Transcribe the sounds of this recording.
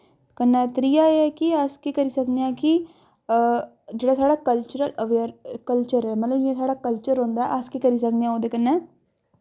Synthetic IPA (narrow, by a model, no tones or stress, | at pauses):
kənːɛːt̪ɾijaeɛːkiəskekəɾiːsəkd̪eãki | d͡ʒeːɽaːsaːɽaːkəlt͡ʃʊɾələʋeəɾkəlt͡ʃəɾɛːmət̪ləbd͡ʒẽsaːɽaːkəlt͡ʃəɾɦõːnd̪aːɛ̰ʔəskekəɾiːs̬əkd̪eãːoːd̪eːkənːɛː